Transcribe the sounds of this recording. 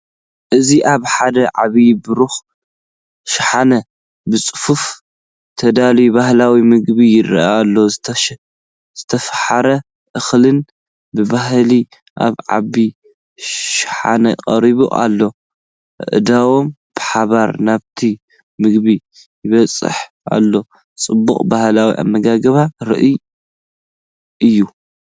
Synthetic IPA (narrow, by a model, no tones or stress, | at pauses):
ʔɨziʔaβħad̪ɐʕaβijbɨɾux | ʃɪħanɐ | bɨt͡sʼɨ̥fuf | t̪ʰɐd̪alibahlawimɨɡbijɪɾ̰alːo̞ | z̥ɨt̪ʰɐfħaɾɐ | ʔɨxlɨn | bɨbahli | ʔa̰βʕa̰bi | ʃħa̰nɐqʼɐɾiβṵʔa̰lːo̞ | ʔɨ̰ʔd̪awo̞m | b̥ɨħaβaɾnaβt̪ʰi | mɨɡbi | jɪβɐt͡sʼɨ̰ħ | a̰lːo̞ | t͡sʼɨbːuχʼbahlawḭʔa̰mːɐɡaɡɐβaɾɨ̰ʔi | ʔɨjːu